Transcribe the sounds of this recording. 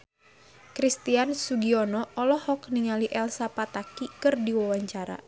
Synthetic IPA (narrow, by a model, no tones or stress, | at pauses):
kɾist̪iansuɡiɔnɔɔlɔhɔkniŋaliʔɛlsapat̪akikɨrdiwawaɲt͡ʃaɾa̰